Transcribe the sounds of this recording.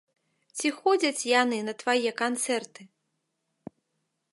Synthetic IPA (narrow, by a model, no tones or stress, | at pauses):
t͡sʲixɔd͡zʲɐt͡sʲjanɨnɐt̪vajɛkant̪sɛrt̪ɨ